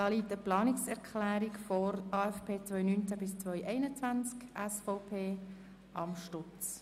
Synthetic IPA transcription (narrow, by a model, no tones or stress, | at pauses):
d̥ɑːliːtəplɑːnɪksɛɾkʰχlæːɾikfɔɾɑːɛfpʰeːt͡sʋvœjnynt͡sæbɪst͡sʋœʏʔɛɪnət͡svant͡skʔɛsfɔʊpʰeː | ʔɑmʃtʊt͡s